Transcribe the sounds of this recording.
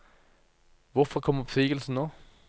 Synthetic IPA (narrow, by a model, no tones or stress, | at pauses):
ʋʊfɔkʰɔmːəfʁyːɡ̥əlsn̩noː